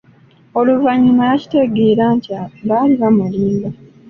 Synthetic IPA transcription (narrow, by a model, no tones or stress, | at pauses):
o̞luvaɲinajaci̥te̞ɡeːɾaːnciaβaːliβamuliːmba